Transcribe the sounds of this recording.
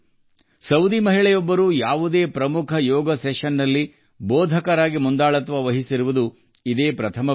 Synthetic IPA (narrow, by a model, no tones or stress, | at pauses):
sɐwd̪imɐɦiɭɛjɔbːɐɾuːjaːʋud̪e̞ːpɾɐmukʰɐjɔːɡɐsɛʃɐnːɐlːi | bɔːd̪ʱɐkɐɾaːɡimund̪aːɭɐt̪ʋɐʋɐɦisiɾuʋud̪u | id̪e̞ːpɾɐt̪ʰɐmɐ